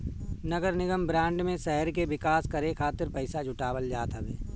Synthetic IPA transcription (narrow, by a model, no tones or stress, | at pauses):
nɐɡəɾnɪɡəmbɾãːɳɖmẽʃɛɦəɾkeʋɪkaːskɐɾekʰaːt̪ɪɾpɐɪsad͡ʒʱʊʈaːwəld͡ʒaːt̪ɦəʋeː